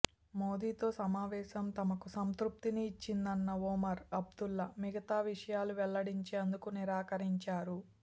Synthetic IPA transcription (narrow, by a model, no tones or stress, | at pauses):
mo̞ːd̪iːt̪o̞ːsɐmaːʋɛːʃɐmt̪ɐmɐkusɐnt̪ɾup̚t̪iniːt͡ʃːind̪ɐnːɐoːmɐɾɐb̚d̪ulːɐmiɡɐt̪aːʋiʂɐjaːluʋɛɭːɐɽiɲt͡ʃeːɐnd̪ukuniɾaːkɐɾiɲt͡ʃaːɾu